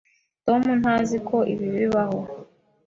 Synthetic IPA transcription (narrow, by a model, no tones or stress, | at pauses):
tomun̥hazikʰoʔḭβiβiβaho